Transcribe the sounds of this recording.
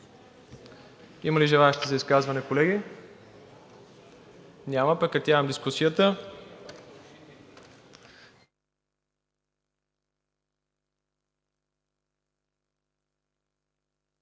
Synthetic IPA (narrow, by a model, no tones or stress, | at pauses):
iməliʒɛlˠaɛʃt̪izɐiskazvɐnɛkolɛɡʲi | nʲaməpɛkɐt̪ʲavəmd̪iskusijət̪ə